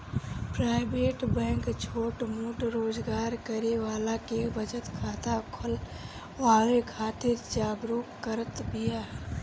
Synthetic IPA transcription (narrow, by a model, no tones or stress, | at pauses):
pɾaːɪbeːʈbɛ̃ːŋkt͡ʃʰoːʈmuʈɾoːzɡaːɾkəɾeʋaːlakebəd͡ʒət̪kʰaːt̪ʰakʰʊl | ʋaːlekʰaːt̪ɪɾd͡ʒaːɡɾukkəɾət̪bijaː